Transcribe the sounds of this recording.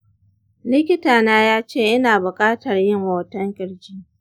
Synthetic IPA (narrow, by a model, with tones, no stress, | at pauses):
lɪ˦kʲɪ˦taː˨naː˦jaː˦t͡ʃeː˦˨ʔɪ˦naː˨bʊ˨kʼaː˦tɐ˨rjɪ˦˨ŋwoː˨tɐ˦ŋkʲʼɪ˨ɽd͡ʒi˦